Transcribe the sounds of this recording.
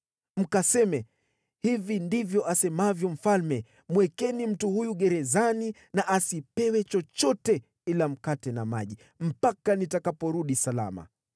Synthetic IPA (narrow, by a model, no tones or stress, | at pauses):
m̩kasɛmɛ | hivindivjɔʔasɛmavjɔm̩falmɛ | mwɛkɛnim̩tuhujuɠɛɾɛzani | naʔasipɛwɛt͡ʃɔt͡ʃɔtɛ | ilam̩katɛnamaʄi | m̩pakanitakapɔɾuɗisala̰ma̰